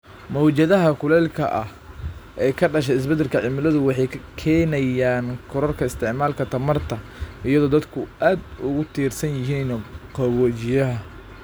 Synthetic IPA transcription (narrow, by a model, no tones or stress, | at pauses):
mɔwt͡ʃɐðɐɦɐkʰʊlɛːlkʰɐ̰ʔɐ̰h | ʔɛːjkʰɐɖɐʃ̬ɛɪs̬bɛd̪ɛlkʰɐʕɪmɪlɐðʊwɑħɑjkʰɛːnɐjaːnkʰʊɾɔrkʰɐɪst̪ʰɪʕmaːlkʰɐt̪ʰɐmɐrt̪ʰɐ | ɪjɐðɔːd̪ɐd̪kʰʊʔaːd̪ʊɣʊt̪ʰiːrsɐnjɪɦiːnqɑwɔt͡ʃɪjɐɦɐ